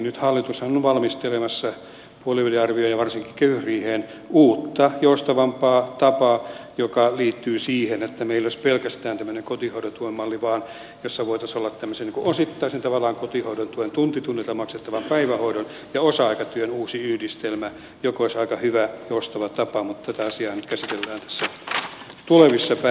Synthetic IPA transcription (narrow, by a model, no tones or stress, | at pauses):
nyt̪hɑlːit̪ushɑnuʋɑlmist̪elemɑsːɑ | puoliyliɑrʋiojɑʋɑrsiŋkikøyhriːheːn | uːt̪ːɑjoust̪ɑʋɑmpɑːt̪ɑpɑjokɑliːt̪ːyːsiːhenet̪ːæmeilːˑoispelkæst̪æːnt̪æmːøneŋkot̪ihoudot̪uoemːɑlːiʋɑːn | josːɑʋoit̪ɑsolːɑt̪t̪æmːøseniːŋkuosit̪ːɑisent̪ɑʋɑlːˑɑːŋkot̪ihoudont̪uent̪unt̪it̪unːet̪ɑmɑkset̪ːɑʋɑmpæiʋæhoidon | jɑosɑɑikɑt̪yønuːsiyhdist̪elmæ | jokooisɑikɑhyʋæjoust̪ɑʋɑt̪ɑpɑmut̪t̪æt̪æɑsiɑːnyt̪kæsit̪elːæːnt̪æ̥sːæ | t̪uleʋisːɑpæ